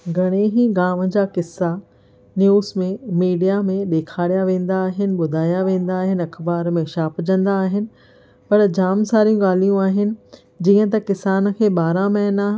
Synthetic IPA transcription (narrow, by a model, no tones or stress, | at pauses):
ɡʱɐɽ̃eɦĩɡaːmə̆d͡ʑaːkɪsːa | njuːsmẽmiːɖijamẽɗeːkʰaːɽijaʋẽːn̆d̪aːɦɪnɪ̆ɓʊd̪ʱaːjaʋẽːn̆d̪aːɦɪnɪ̆ɐkʰbaːɾmẽʃaːpd͡ʑɐ̃nd̪aːɦɪnɪ̆ | pɐɾd͡ʑaːmsaːɾijũɠaːl̤ijũaːɦɪnɪ̆ | d͡ʑĩːə̃t̪ɐkɪsaːnə̆kʰeːɓaːɾãmɛɦnaː